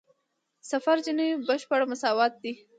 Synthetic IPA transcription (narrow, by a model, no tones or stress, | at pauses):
safaɾd͡ʒinibəʃpaɽmʊsɑwɑt̪̚d̪i